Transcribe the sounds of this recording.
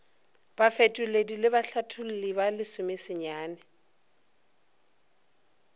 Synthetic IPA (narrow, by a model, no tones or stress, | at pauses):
b̥afetʼʊledilɪbaɬatʰʊl̩libalɪsʊmɪsɪɲaːnɛ